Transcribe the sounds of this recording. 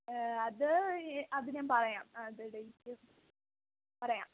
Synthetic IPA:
ɐðɨɐðɨɲaːnpɐrɐja̰ːmɐðɨɖeitːɨ | pɐrɐja̰ːm

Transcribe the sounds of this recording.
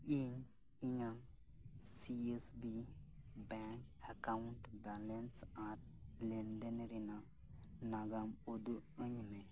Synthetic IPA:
iɲ | iɲam | siesbibaŋk | akawunʈbalensat̚ | lend̪enɾina | naɡamod̪uəɲme

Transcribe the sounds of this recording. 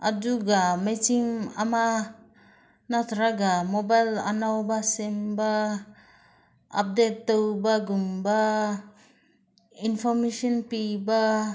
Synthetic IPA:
ad͡ʒuɡamesima̰ma | nat̪ʰɾaɡamobajla̰nawbasemba | a̰p̚detːowbaɡumba | inpʰɔɾmesɔnpiba

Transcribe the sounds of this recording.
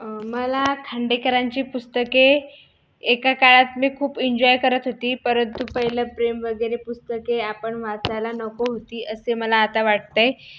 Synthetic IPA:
məlakʰaɳɖekəɾaɲt͡ɕiːpust̪əkeː | kakaɭat̪miːkʰuːpiɲd͡ʑɔjkəɾət̪ɦot̪iːpəɾənt̪upəɦilapɾemʋəɡəjɾepust̪əkeapəɳʋat͡sajlanɔkoɦot̪iːʔəseməlaːt̪aʋaʈ̚t̪aj

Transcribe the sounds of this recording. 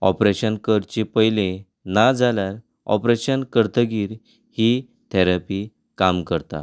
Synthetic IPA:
ɔ̰pɾeɕənkəɾt͡ɕepəɦjlẽ | nad͡zalaɾ | ɔ̰pɾeɕənkəɾt̪ʰəɡiːɾ | hi | t̪ʰɛɾapi | kamkəɾt̪a̰

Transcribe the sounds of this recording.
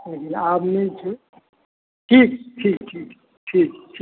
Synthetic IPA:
ekinaːpnẽt͡ʃʰe | ʈʰiːkʈʰiːkʈʰiːk | ʈʰiːkʈʰː

